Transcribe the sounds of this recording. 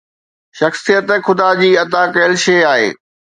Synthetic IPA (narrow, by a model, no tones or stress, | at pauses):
ʃɐxsijət̪xʊd̪ad͡ʑiːɐt̪aːkɐəlʃeːaːɦḛː